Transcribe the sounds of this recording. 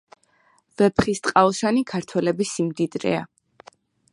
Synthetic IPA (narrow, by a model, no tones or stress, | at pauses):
vɛpχist̪ʼqʼaɔʃanikʰaɾt̪ʰwɛlɛbisimd̪id̪ɾɛ̰a